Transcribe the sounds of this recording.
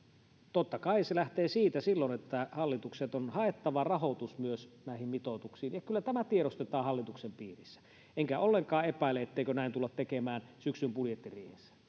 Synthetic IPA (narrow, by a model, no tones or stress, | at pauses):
t̪ot̪ːɑkɑiselæht̪eːsiːt̪æsilːonet̪ːæhɑlːit̪ukset̪onhɑet̪ːɑʋɑrɑhot̪usmyøsnæˑihimmit̪ot̪uksiːnjɑkylːæt̪æmæt̪ieɾost̪et̪ɑːhɑlːit̪uksempiːrisːæ̥ | eŋkæolːeŋkɑːepæˑilːˑeet̪ːeˑikønæˑint̪ulːɑt̪t̪ːekemæːnsyksympuljet̪ːiriːhesːæ̥